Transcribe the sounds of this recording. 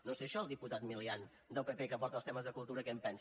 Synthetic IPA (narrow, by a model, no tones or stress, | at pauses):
noseʃɔəlˠd̪iput̪at̪milian | d̪əlˠpepekəpɔɾt̪əlˠst̪ɛməzðəkulˠt̪uɾəkɛmpɛns